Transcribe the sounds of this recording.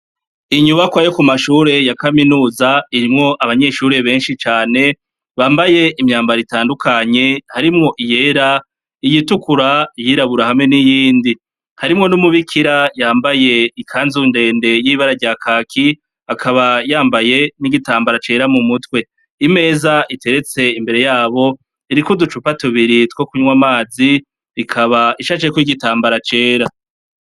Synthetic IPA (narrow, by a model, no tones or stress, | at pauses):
iɲuβakwajokumaʃuːɾe̞jakaminuːzaiɾimŋo̞ʔaβaɲe̞ʃuːɾe̞βe̞ːnʃit͡ʃaːne̞ | βaːmbaje̞ʔimɲaːmbaɾitaːndukʰaɲe̞haɾimŋo̞ʔije̞ːɾa | ijitukuɾajiɾaβuɾahamŋe̞nijiːndi | haɾimŋo̞numuβikʰiɾajaːmbaje̞ikʰaːnzunde̞ːnde̞jiβaɾaɾɟaːkʰaːkʰi | akʰaβajaːmbaje̞niɡitaːmbaɾat͡ʃe̞ːɾamumutwe̞ | ime̞ːzaʔite̞ɾe̞t͡se̞imbe̞ɾe̞jaːβo̞ | iɾikudut͡ʃupatuβiɾitwo̞kuɲwamaːzi | ɾikʰaβaiʃat͡ʃekwiɡitaːmbaɾat͡ʃe̞ːɾa